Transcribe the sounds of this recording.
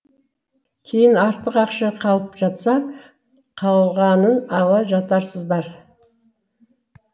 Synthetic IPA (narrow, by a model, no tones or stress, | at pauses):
kʲʰe̞jɪnɑɾt̪ːəqɑqʃɑqʰɑlˠəpʒ̥ɑt̪sɑ | qʰɑw̪ʁɑnənɑlˠɑʒɑt̪ɑɾsəzd̪ɑɾ